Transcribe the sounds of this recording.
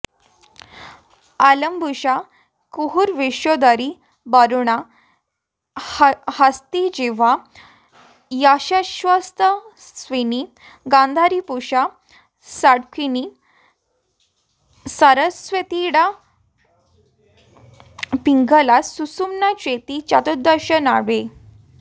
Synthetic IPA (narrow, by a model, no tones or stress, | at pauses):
aləmbʱuɕa | kuɦuɾʋeɕjɔd̪aɾi | baɾuɳ̃a | hast̪id͡ʑeʋa | jaɕaɕʋəst̪ə | sʋeni | ɡãnd̪ʱaɾipuɕa | saɽkʰini | saɾəsʋət̪iɽa | piŋɡəlasusumnat͡ɕet̪it͡ɕat̪ud̪əɾɕənaɽe